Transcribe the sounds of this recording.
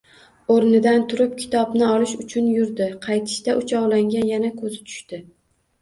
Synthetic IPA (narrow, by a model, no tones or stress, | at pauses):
oɾnɪd̪ant̪ʰʊɾɪp̚kʲʰɪ̥t̪ʰɒbnɪɒlɪʃʊt͡ʃʰʊnjʊɾd̪ɪqʰɑjt̪ʰɪ̥ʃt̪aʔʊt͡ʃʰɒwlaŋɡʲanjanakʰɵzɪt̪ʰʊ̥ʃt̪ɪ